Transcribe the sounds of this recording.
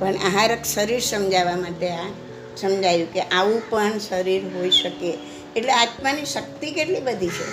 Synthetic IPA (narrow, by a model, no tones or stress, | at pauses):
pəɳaɦaɾəkʃəɾiɾsəmd͡ʒaʋamaʈea | səmd͡ʒajũkeʔaʋũpəɳsəɾiɾɦoiʃəkeː | ʈleat̪maniʃək̚t̪ikeʈlibəd̪ʱit͡ʃʰe